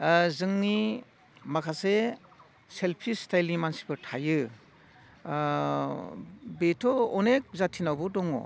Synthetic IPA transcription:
zɯŋni | makʰase | selpʰistajlimansi̥pʰɯtʰajɯ | betʰɔɔnek̚zatʰinawbɔdɔŋɔ̰

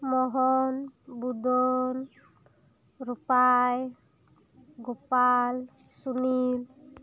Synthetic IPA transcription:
mɔɦɔnbud̪ɔn | ɾupaj | ɡopal | sunil

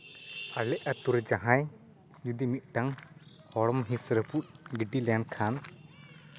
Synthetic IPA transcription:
alɛʔat̪uɾd͡ʒaɦãj | d͡ʒud̪imit̪̚ˀʈaŋ | hɔɽɔmɦĩsɾəput̪̚ˀɡiɖilɛjankʰan

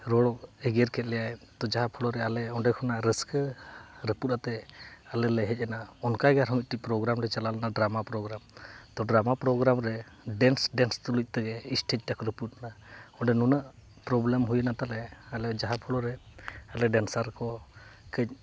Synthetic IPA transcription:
ɾɔɭɔkɛɡeɾkʰɛt̪̚lɛjajt̪ɔd͡ʒaɦapʰɔɽɔɾɛalɛɔɳɖɛkʰɔnaɾəskəɾəput̪̚at̪ɛalɛlɛɦɛc̚ˀɛnaɔnkaɡaɾɦɔmit̪̚ʈic̚pɾɔɡɾamɾɛt͡ʃalalɛnaɖɾamapɾɔɡɾamt̪ɔɖɾamapɾɔɡɾamɾɛ | ɖɛnsɖɛnst̪ɔluc̚ˀt̪əɡɛisʈec̚ˀʈakɔɾəput̪̚naɔɳɖɛnunəʔ | pɾɔblɛmɦujənat̪alɛalɛɔd͡ʒaɦapʰɔɽɔɾɛalɛɖɛnsaɾkɔkəc̚ˀ

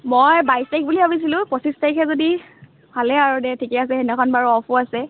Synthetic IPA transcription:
mojbajstajk̚bulibabis̬ilʊ̃pɔsistaikʰɛzodi | pʰalɛaɹudɛtʰikɛas̬ɛenɛkʰɔnbaɹuɔpʰʊasɛ

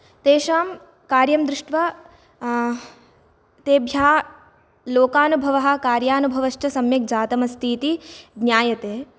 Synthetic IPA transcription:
t̪eːʃaːm | kaːɾjɐmd̪ɾɪʂʈʋɐ | t̪eːbʱjaː | loːkaːnubʱɐʋɐɦɐ̆kaːɾjaːnubʱɐʋɐʃt͡ʃɐsɐmjɐk̚d͡ʒaːt̪ɐmɐst̪ʰiːt̪iɡnʲjaːjɐt̪eː

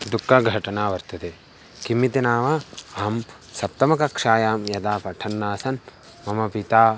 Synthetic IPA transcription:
d̪ukːaɡʱɐʈɐnaːʋɐɾt̪ɐd̪eː | kimːit̪inaːʋaaːm | sɐp̚t̪ɐmɐkɐkʂaːjaːmjɐd̪aːpɐʈʰɐnːaːsɐn | mɐmɐpit̪aː

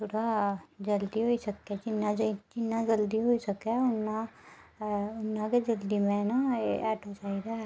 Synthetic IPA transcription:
t̪ʰoːɽad͡ʒɐld̪iɦoisəkːed͡ʒɪnːad͡ʒd͡ʒɪnːad͡ʒəld̪iɦoisɐkeʊnːa | ʊnːãked͡ʒɐld̪imẽnaeɛːʈot͡ʃaːid̪aɦɛ

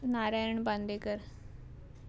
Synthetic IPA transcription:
naːɾaəɳbãnd̪eːkəɾ

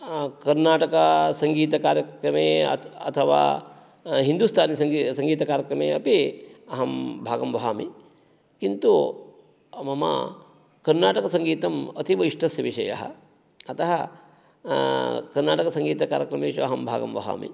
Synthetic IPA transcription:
kɐɾnaːʈɐkɐsɐŋɡiːt̪ɐkaːɾjɐkɾɐmeːɐ̰ɐt̪ʰɐʋa̰ː | ɦind̪uːst̪ʰaːnisɐŋɡisɐŋɡiːt̪ɐkaːɾjɐkɾɐmḛːɐpiɐɦɐmbʱaːɡɐmʋɐɦaːmi | kint̪u | mɐmɐ̰ | kɐɾnaːʈɐkɐsɐŋɡiːt̪ɐmɐt̪ʰiʋɐiʂʈɐsjɐʋiʂɐjɐ̰ɦɐ̰ | ɐt̪ɐɦɐ | kɐɾnaːʈɐkɐsɐŋɡiːt̪ɐkaːɾjɐkɾɐmeːʃuɐɦɐmbʱa̰ːɡɐ̰mʋɐ̰ɦa̰ːmḭ

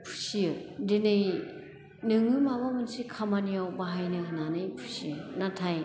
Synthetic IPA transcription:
pʰu̥sijɯdenɯj | nɯŋɯmaβamɯnsikʰamaniawbaɦajnɯhɯnanɯjpʰu̥siɯnatʰaj

